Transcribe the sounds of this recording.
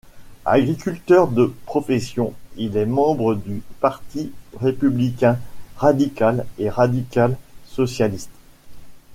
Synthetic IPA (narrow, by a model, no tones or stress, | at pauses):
a̰ɡʁikʲylt̪œʁd̪əpχɔfɛsjɔ̃ilɛmɑ̃bʁəd̪ypaʁt̪iʁepyblikʲɛ̃ʁad̪ikaleʁad̪ikalsɔsjalist̪